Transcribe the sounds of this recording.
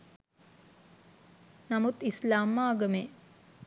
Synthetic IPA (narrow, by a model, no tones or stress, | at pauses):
namut̪islaːmːaːɡəmeː